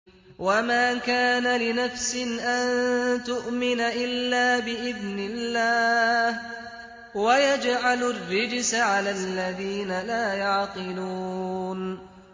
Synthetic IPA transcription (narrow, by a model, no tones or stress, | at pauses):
wamaːkaːnalɪnafsɪnʔant̪ʊʔmɪnaʔɪlːaːbɪʔɪðnɪlːaːh | wajad͡ʒʕalʊrːɪd͡ʒsʕalaːlːaðiːnalaːjɑʕqɨluːn